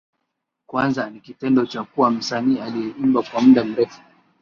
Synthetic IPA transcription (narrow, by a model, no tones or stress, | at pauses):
kwanzanikitɛndɔt͡ʃakuwam̩saniːalijɛumbakwamuɗam̩ɾɛfu̥